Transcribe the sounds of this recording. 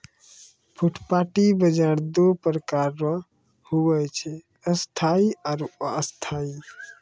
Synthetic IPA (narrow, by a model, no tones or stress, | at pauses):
pʰuʈʰpaʈibəd͡ʒaɾd̪opɾəkaɾə̃ | huwɛt͡ʃʰɛ | əst̪ʰaiaɾust̪ʰai